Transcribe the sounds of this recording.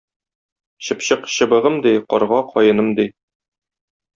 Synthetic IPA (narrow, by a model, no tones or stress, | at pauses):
ɕɤ̆pɕɤqɕɤ̆bɤ̆ʁɤmd̪iqɒ̰ɾʁɑqʰɒjɤ̆nɤmd̪i